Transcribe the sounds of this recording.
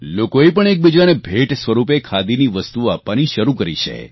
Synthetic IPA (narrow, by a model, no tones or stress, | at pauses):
lokoepəɳ̃ek̚bid͡ʒanebʱeʈsʋəɾupekʰad̪iniʋəst̪uapʋaniʃəɾukəɾḭt͡ʃʰḛ